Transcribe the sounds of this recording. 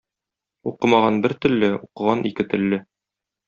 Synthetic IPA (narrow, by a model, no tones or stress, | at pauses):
uqɤ̆mɑʁɑnbɘɾt̪ɵ̆lːɘuqɤ̆ʁɑnʔikɘt̪ɘ̆lːɘ